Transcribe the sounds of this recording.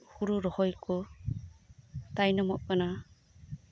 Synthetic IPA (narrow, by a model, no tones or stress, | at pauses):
huɾuɾɔhɔjkɔ | t̪ajnɔmɔʔ̚kana